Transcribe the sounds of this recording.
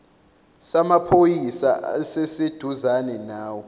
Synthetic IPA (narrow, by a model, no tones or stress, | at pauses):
samapʰojisa̰a̰sɛsed̥ʱuzanɛnaːwɔ